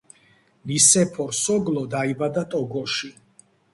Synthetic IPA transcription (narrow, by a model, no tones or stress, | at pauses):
nisɛpʰɔɾsɔɡlɔd̪aibad̪at̪ʼɔɡɔʃi